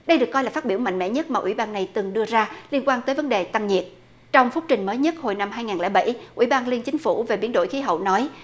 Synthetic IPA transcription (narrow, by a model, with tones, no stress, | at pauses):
ɗə˧jɗɨ˨˩əkːɔ˧jlaː˨˩faː˦˥ɓi˧˩əwma̰˧˨ŋmɛ̰˧˥ɲə˦˥t̚maː˨˩ʔwḭ˧˩ɓaː˧nːa˨˩jt̪ɨ˨˩ŋɗɨ˧əzaː˧li˧ənkwaː˧nt̪əː˨˦jvə˨˦nɗe˨˩t̪a˧mɲi˨˩ət̚ | t͡ɕɔ˧wŋ͡mfʊ˦˥k͡p̚t͡ɕï˨˩ŋ̟məː˨˦jɲə˦˥t̚ho˨˩jna˧mɦaː˧jŋaː˨˩nlɛ̰˧˩jɓa̰˧˩jʔwḭ˧˩ɓaː˧nli˧ənt͡ɕï˨˦ŋ̟fu˧˩ve˨˩ɓi˨˦ənɗo̰˧˨jxi˨˦ɦə̰˧˨wnɔ˨˦j